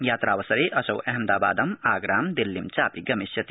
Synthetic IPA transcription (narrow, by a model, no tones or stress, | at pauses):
jaːt̪ɾaːwɐsɐɾeʔɐsɐwʔɐɦɐmd̪aːbaːd̪ɐmaːɡɾaːmd̪elːimt͡saːpiɡɐmisjɐt̪